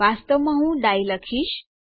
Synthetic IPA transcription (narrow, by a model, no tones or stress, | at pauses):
ast̪əʋməɦũɖajləkʰiɕ